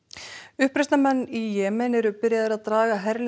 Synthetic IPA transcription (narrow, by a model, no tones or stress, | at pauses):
ʏhpɾɛst̪namɛnːijɛːmɛnɛɾʏpɪɾjaðaɾaðt̪ɾaːɣaɦɛɾl